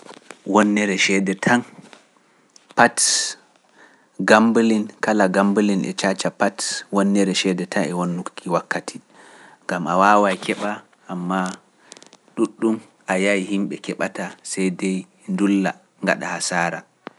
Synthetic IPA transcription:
wɔnːɛɾɛʃɛdɛtʰan | pat | ɡambəlinkalaɡambəlinʔɛ̰t͡ʃat͡ʃapatwɔnːɛɾɛʃɛdɛtʰanɛwonːukːiwakːatʰi̥ | ŋɡamʔawawajkʰɛɓa | ʔːmːa | ɗuɗːum | ʔajajihimɓɛkɛɓatasajdɛj | ndulːa̰ | ŋɡa̰ɗa̰hasaːɾa

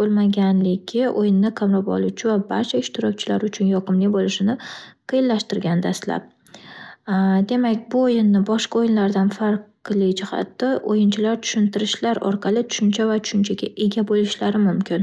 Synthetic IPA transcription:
bolˠmaɡʲanlɪɡʲɪʔojɪnːɪqʰamɾɒpɒ̰lˠuwt͡ʃʰɪvabaɾt͡ʃʰaɪʃt̪ɪɾɒkʲt͡ʃʰɪlaɾʊt͡ʃʰʊnjɒqʰɨmlɪbolɪʃɪnɪqʰɨjɪnlaʃt̪ɪɾɡʲanɪd̪ast̪la̰p̚ | d̪e̞makʲbʊojɪnːɪbɒʃqɑojɪnlaɾd̪anfaɾq | lˠɪd͡ʒɪχɑ̰t̪ːaʔojɪnt͡ʃʰɪlaɾt̪ʰʊ̥ʃɪnt̪ʰɪɾɪʃlaɾɒ̰ɾqʰɑlˠɪt̪ʰʊ̥ʃʊnt͡ʃʰavat͡ʃ̪ʰʊ̥ʃɪnt͡ʃʰaɡʲaʔe̞ɡʲabolˠɪʃlaɾɪmʊmkʲɪn

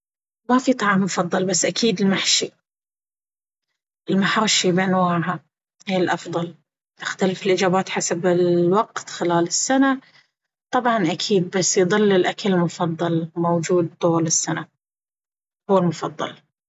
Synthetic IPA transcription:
mafit̪ˤɑʕɑːmːʊfɑðˤːɑlbasːʔakʰiːd̪ɪlmaħʃi | ʔɪlmaħɾˤʃibɪnwaːʕha | hiɪlʔɑfðˤɑl | t̪ɪxt̪alɪfɪlʔɪd͡ʒaːbaːt̪ħasabɪlwɑqt̪xɪlaːlɪsːana | t̪ˤɑbʕɑnʔakʰiːd̪̚basːjðˤɨlːɪlʔakʰalmʊfɑðˤːɑlmowd͡ʒuːd̪̚t̪ˤuːlɪsːana | hʊwːɪlmʊfɑd̪ˤːɑ̰l

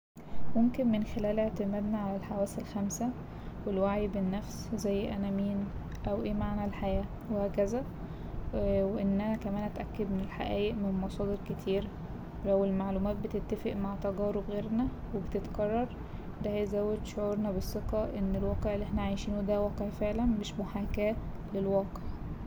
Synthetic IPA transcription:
momkenmenxelæːlʔeʕt̪emæːd̪næʕalælħawæːsælxæmsæ | welwaʕibenːæfszæjːʔænæmiːn | ʔæwʔeːmaʕnælħajæː | wehækæzæ | weʔenːæhækæmæːnʔæt̪ʔækːed̪menelħa̰ʔæːʔeʔmenmɑsˤɑːd̪eɾket̪ʰiːɾ | læwelmaʕlumæːt̪̚bet̪et̪ːæfeʔmaʕt̪æɡɑːɾebɣeːɾnæ | webet̪et̪ɡɑrˤːɑɾˤ | d̪æhæjzæwːed̪ʃoʕuːɾnɑbesˤːeqɑʔenːelwɑːqeʕʔelːʔeħnæʕajʃiːnwed̪æwæːqeʕfeʕlænmeːʃmoħaːkæːt̪lelwɑːqeʕ

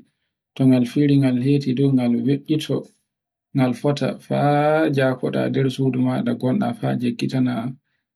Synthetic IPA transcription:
tɔŋɡalfiɾiŋɡalheːtidɔŋɡalweɓːitʰɔ | ŋɡalfɔta̰fad͡ʒakɔɗa̰dɛɾsudumaɗaɡɔnɗa̰fa̰d͡ʒeɡːitanaam

